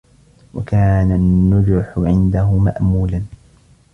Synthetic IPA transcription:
wa̰kaːnanːʊd͡ʒʊħʊʕɪnd̪aɦʊma̰ʔmuːlan

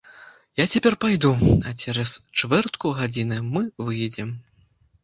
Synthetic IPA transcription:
jat͡sʲapʲɛrpajd̪uat͡sʲɛɾɐst͡ʂvɛrt̪kuɣad͡zʲinɨmɨvɨjɛd͡zʲɛm

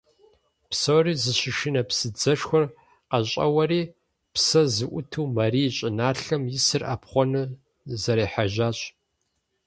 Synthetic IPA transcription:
psoːriːzɨɕɪʃɪnɐpsɨd͡zɐʂxʷɔr | qɐɕʼɐ̰wɐɾiː | psɐzɨʔʷʊtʰuːmɐriːɕʼɪnaːɬɐmjɪsɨrʔa̰ːpχʷɔnɨ | zɐɾiːħaʒaːɕʼ

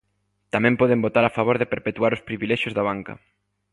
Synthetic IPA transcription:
t̪amɛ̃mpɔðɪmbot̪aɾafaβoɾðɪpeɾpet̪waɾʊspɾiβilɛʃjʊzðaβ̞aŋkɐ̰

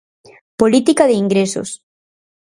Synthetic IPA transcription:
polit̪ikaðeiŋɡɾeso̰s

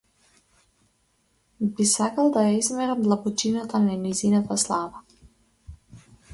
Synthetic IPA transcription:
bisakalˠd̪ajaizmɛɾamd̪lˠabɔt͡ʃinat̪ananizinat̪aslˠava

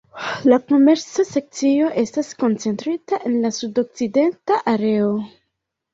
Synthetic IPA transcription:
lako̞me̞ɾt͡sase̞k̚t͡sio̞ʔe̞stasko̞nt͡se̞ntɾitaʔe̞nlasudo̞k̚t͡side̞ntaʔaɾe̞o̞

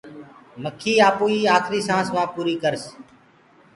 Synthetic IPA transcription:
məkʰiːaːpuːiːaːkʰɾiːsãːsmãːpuːɾiːkəɾs

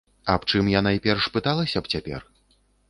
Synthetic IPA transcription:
ɐpt͡ʂɨmjanajipʲɛrʂpɨt̪alˠɐsʲɐpt͡sʲapʲɛ̰r

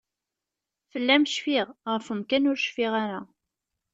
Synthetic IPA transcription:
fəlːæmʃfiʁʁəfəmkænʊɾʃfiʁaɾa

